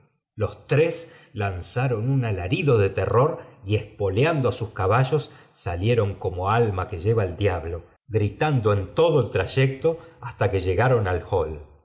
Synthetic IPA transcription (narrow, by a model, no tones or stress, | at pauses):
lo̞st̪ɾes | lansaɾo̞nunalaɾiðoðe̞t̪ero̞ɾiespo̞ljand̪oasuskaβaʒo̞sːalje̞ɾo̞ŋko̞mo̞almake̞ʒeβaeld̪jaβlo̞ | ɣɾit̪and̪oe̞nt̪o̞ð̞oe̞lt̪ɾaʒek̚t̪o̞ast̪akeʒeɣaɾo̞nalxol